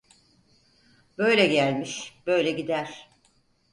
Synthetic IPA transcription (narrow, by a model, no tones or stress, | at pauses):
bø̞jlʲɛɟælʲmiʃb̥ø̞jlʲɛɟid̪æɾ̥